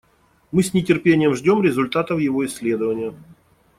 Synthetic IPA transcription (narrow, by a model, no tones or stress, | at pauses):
mɨsʲnʲɪtʲɪrpʲenʲɪjəmʐdʲo̞mɾʲɪzʊlʲt̪at̪əfjɪvo̞ɪsʲːlʲe̞d̪əvənʲɪjə